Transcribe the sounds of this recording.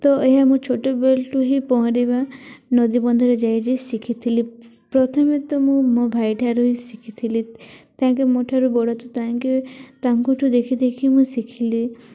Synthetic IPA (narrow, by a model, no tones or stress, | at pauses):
t̪ɔeɦamũt͡ʃʰoʈobelʈuɦipɔɦɔ̃ɾibanɔd̪ibɔnd̪ʱɔɾed͡ʒajd͡ʒesikʰit̪ʰilipɾɔt̪ʰɔmet̪ɔmũmõbʱajʈʰaɾuɦisikʰit̪ʰilit̪ãːŋkemoʈʰaɾubɔɽɔt̪ut̪aŋket̪amkuʈʰud̪ekʰit̪ʰekʰimũsikʰili